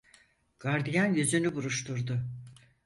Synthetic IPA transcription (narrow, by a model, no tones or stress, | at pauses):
ɡ̥aɾd̪ijanjyzynybuɾuʃt̪ʰuɾd̪ʊ